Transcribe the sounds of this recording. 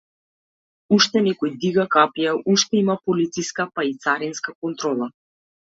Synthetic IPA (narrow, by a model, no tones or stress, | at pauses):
uʃt̪ɛnɛkɔjd̪iɡakapijaʔuʃt̪ɛimapɔlit̪siskapait̪saɾinskakɔnt̪ɾɔlˠa